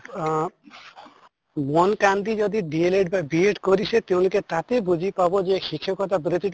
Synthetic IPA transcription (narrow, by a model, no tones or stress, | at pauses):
mɔnkand̪id͡ʒɔd̪iɖieleɖ̚babieʈkoɾiʃet̪ew̃liket̪at̪ebud͡ʑʱipabod͡ʑeʃikʰːekɔt̪abɾet̪iʈ